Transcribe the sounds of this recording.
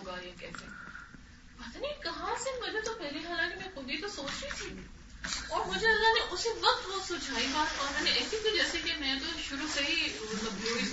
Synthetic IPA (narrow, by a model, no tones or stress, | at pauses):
ɡajekɛ̰ːsḛ | pɐt̪ːnikɐɦãsemɐd͡ʒet̪opeːɾiɦaːlãkimɛ̃kʊd̪ʱit̪osoːt͡ʃɾeit̪ʰiː | ɔːɾmʊd͡ʒʱeɐlːaɦneʔʊseʋɐk̚t̪bɔːt̪sʊd͡ʒʱaːibaːt̪ɔːɾmɛ̃ːneɛːsik̪id͡ʒɛːsekemɛ̃t̪oʃʊɾusɐɦi | nɐbʱoːi